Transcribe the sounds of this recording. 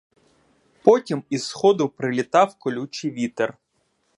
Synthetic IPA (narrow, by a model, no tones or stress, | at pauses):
pɔtʲimizxɔd̪ʊpɾɪlʲit̪ɑwkɔlʲut͡ʃiʋʲit̪er